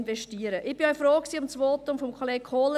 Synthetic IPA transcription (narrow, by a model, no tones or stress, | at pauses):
nvɛʃtiːəɾəʔɪb̥ɪɔɪfɾoːksiːʊmt͡sʋoːt̪ʊmfɔmkʰɔleːk̚kʰoːlə